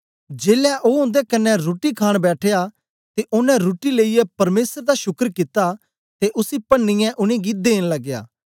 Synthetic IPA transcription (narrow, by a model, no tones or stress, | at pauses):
d͡ʒeːlaʔoːɦõːnd̪ekɐnːɛɾoːʈikʰaːɽ̃bɛːʈʰeja | t̪eʔʊnɛ̃ɾoːʈileːijɛpɐɾmeːsəɾd̪aʃʊkəɾkɪt̪a | t̪eʔʊsipɐnːɪjɛ̃ʔʊnĩɡid̪eːnlɐɡːeja̰ː